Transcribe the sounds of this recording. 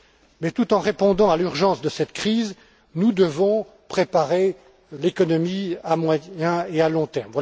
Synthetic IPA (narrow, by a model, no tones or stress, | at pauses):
mɛt̪ut̪ɑ̃ʁepɔ̃d̪ɑ̃alyʁʒɑ̃sd̪əsɛt̪kχiːz | nud̪əvɔ̃ | pχepaʁe | lekɔnɔmiamwajjɛ̃ealɔ̃t̪ɛʁmvwa